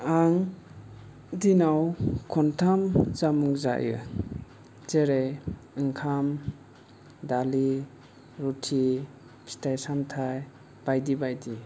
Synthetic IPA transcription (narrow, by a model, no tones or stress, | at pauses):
aŋ | dinawkʰɔntʰamzamuŋza̰jʔɯ̰ | zeɾejɯŋkʰam | dali | ɾutʰi | pʰi̥stajsamtʰaj | b̥ajdibajdi